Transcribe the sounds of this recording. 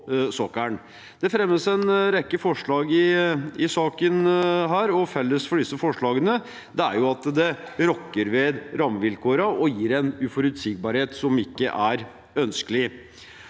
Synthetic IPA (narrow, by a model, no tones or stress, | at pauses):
sɔkæɳ | d̪̥ɛfɾɛmːəsɛnɾɛkːəfɔʂɭɑːɡɪɪsɑːkənɦæːɾɔfɛlːəsfɔɖɪsːəfɔʂɭɑːɡənə | d̪ɛæ̰ɾjʊɑt̪d̪ɛ | ɾɔkːəɾʋeːd̪ɾɑmʋɪlkuːɾɑɔjiːɾɛnʉfɔɾʉt̪sɪɡ̚bɑːɾheːt̪sɔmɪkːə̰ʔæɾ | œnskəlɪ